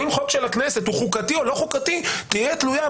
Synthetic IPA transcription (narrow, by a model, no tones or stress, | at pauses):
imχot̪ʃelakneset̪uχukat̪io̞lo̞χukat̪it̪ijetluja